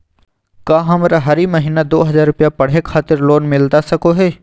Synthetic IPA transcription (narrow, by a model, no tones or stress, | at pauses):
kãːɦɐmɾaɦɐɾiməɦiːnad̪oːɦɐzaːɾːʊpijapɐɽ̤ekʰaːt̪ɪɾloːnmɪlt̪asɐkoɦɛː